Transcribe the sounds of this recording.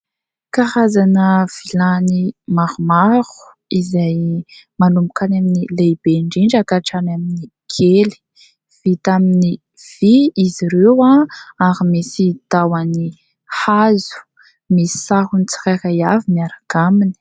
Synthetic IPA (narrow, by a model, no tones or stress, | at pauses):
kahazanəv̥ilanimaɾumaɾu̥ | izajmanumbukʰanaminilejb̥eɳɖ͡ʐiɳɖ͡ʐakaʈ͡ʂanamini | kʰeli̥ | v̥it̪amini | v̥iiziɾewaaɾimisit̪awani | hazu̥ | misi̥saɦunit͡si̥ɾakajaviniaɾaɡ̥amini̥